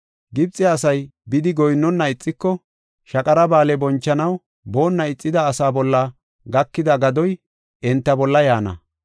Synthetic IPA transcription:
ɡɪbt͡sʼɛɐsɐjbɪd̪ɪɡɔjnːɔnːɐɪt͡sʼːɪkːɔ | ʃɐkʼɐɾɐbaːlɛbɔnt͡ʃːɐnɐw | bo̞ːnːɐɪt͡sʼːɪd̪ɐːsaːbɔlːɐ | ɡɐkːɪd̪ɐɡɐd̪ɔj | ɛnt̪ːɐbɔlːɐjaːnɐ̰

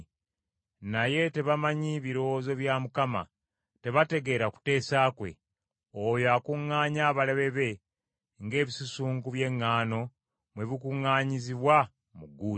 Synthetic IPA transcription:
naje̞te̞βamaɲiβiɾo̞zo̞βjamukama̰ | te̞βate̞ɡe̞ːɾaku̥te̞ːsakwe̞̰ | ojoakuŋːaːɲaːβaleβe̞βe̞ | ŋɡe̞ːβisusuːŋɡuβje̞ŋːaːno̞ | mwe̞βikuŋːaːɲiziβwa | muɡuː

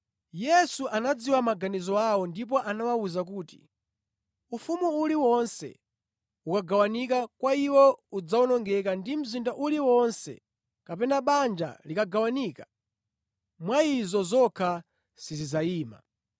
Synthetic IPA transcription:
jɛsuʔanad͡ziwamaɡanizɔawɔndip̬ɔʔanawauzakuːti̥̰ | ufumuuliwɔnsɛ̰ | ukaɡawanikakwaiwɔud͡zaunɔŋɡɛkandim̩zindaʔuliwɔnsɛ̰ | kapɛnaɓand͡ʒa̰likaɡawaniːka | mwaizɔzɔkʰa | sizizaiːma̰

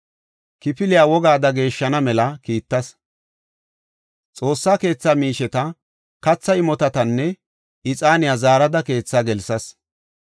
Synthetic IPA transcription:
kɪpɪlɪjaːwɔɡaːd̪ɐɡe̞ːʃːɐnɐmɛlɐkiːt̪ːɐs | t͡sʼo̞ːsːaːke̞ːt͡sːaːmiːʃɛt̪ɐ | kɐt͡sːɐɪmɔt̪ɐt̪ɐnːɛ | ɪt͡sʼaːnɪjazaːɾɐd̪ɐke̞ːt͡sːaːɡɛlsɐs

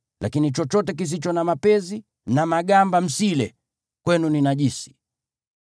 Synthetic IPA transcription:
lakinit͡ʃɔt͡ʃɔtɛk̬is̬it͡ʃɔnamapɛzi | namaɠambam̩silɛ | kwɛnuninaʄisi̥

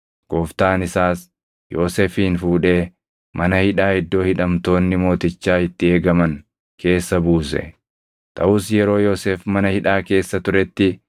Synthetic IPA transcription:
ɡ̥o̞ːft̪aːnɪsaːs | jo̞ːseːfiːnfuːᶑe̞ː | mʔɐnɐhɪᶑaːɪd̪ːo̞ːhɪᶑɐmt̪o̞ːnːɪmo̞ːt̪ɪt͡ʃːaːɪt̪ːɪe̞ːɡɐmɐŋ | kʰe̞ːsːɐbuːsɛ̰ | t̪ʼɐʔʊsjɛɾo̞ːjo̞ːseːfmɐnɐhɪᶑaːke̞ːsːɐt̪ʊɾɛt̪ːɪ

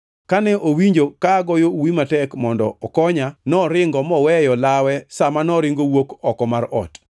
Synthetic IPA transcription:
kanɛʔowiɲd͡ʒokaɡɔjowimatɛkmɔndɔ̰ɔkɔɲanɔɾɪŋɡɔmɔwɛjɔlawɛsamanɔɾɪŋɡowokɔkɔmaɾɔ̰t

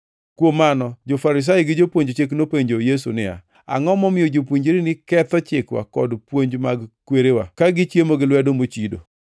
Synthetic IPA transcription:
kwomːanɔd͡ʒofaɾɪs̬ajɪɡɪd͡ʒopwoɲd͡ʒot͡ʃek̬nopeɲd͡ʒojesṵnɪja̰ | a̰ŋɔmɔmɪjod͡ʒopwuɲd͡ʒeɾinɪkɛt̪ɔt͡ʃɪkwa̰kɔ̰dpwoɲd͡ʒmaɡkweɾewa̰kaɡɪt͡ʃjemoɡɪlwɛdomot͡ʃido̰

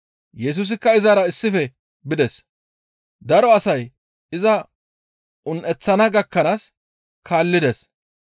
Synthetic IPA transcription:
jɛs̬uːs̬ɪkːɐɪzaɾɐɪsːɪfɛ | bɪd̪ɛs | d̪ɐɾɔɐsɐj | ɪzɐ | ʔʊnʔɛt͡sːɐnɐɡɐkːɐnaːs | kaːlːɪd̪ɛs

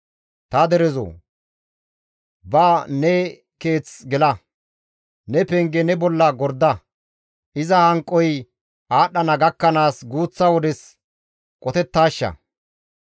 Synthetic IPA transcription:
t̪ɐd̪ɛɾɛzo̰ː | baːnɛ | ke̞ːt͡sɡɛlɐ | nɛpɛŋɡɛnɛbɔlːɐɡɔɾd̪ɐ | ʔɪzɐhɐŋkʼːɔj | ʔaːɗːɐnɐɡɐkːɐnaːsɡuːt͡sːɐwɔd̪ɛs | kʼɔt̪ɛt̪ːaːʃːɐ̰

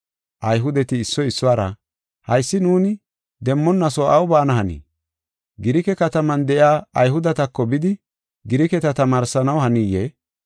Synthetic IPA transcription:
ʔɐjɦʊd̪ɛt̪ɪːsːɔɪsːʊaːɾɐ̰ | hɐjsːɪnuːnɪ | d̪ɛmːɔnːɐsɔʔɐwbaːnɐɦɐnḭː | ɡɪɾɪkɛkɐt̪ɐmɐnd̪ɛʔjaːɐjhʊd̪ɐt̪ɐkːɔbɪd̪ɪ | ɡɪɾɪkɛt̪ɐt̪ɐmaːɾsɐnɐwhɐnije

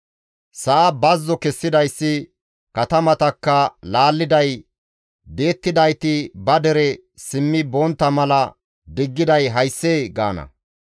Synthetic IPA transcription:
sɐʔːbɐzːɔkɛsːɪd̪ɐjsːɪ | kɐt̪ɐmɐt̪ɐkːɐlaːlːɪd̪ɐj | b̪e̞ːt̪ːɪd̪ɐjt̪ɪbɐd̪ɛɾɛ | sɪmːɪbɔnt̪ːɐmɐlɐ | d̪ɪɡːɪd̪ɐjɦɐjsːeːɡa̰ːnɐ̰

